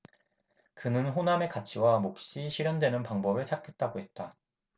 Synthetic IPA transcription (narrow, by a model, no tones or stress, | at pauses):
kɯnɯnɸoname̞kat͡ɕʰiwamok̚ɕ͈iɕʰiɾjʌndwe̞nɯnpaŋbʌbɯɭt͡ɕʰak͈ʰet̚t͈aɡoɦe̞t̚t͈a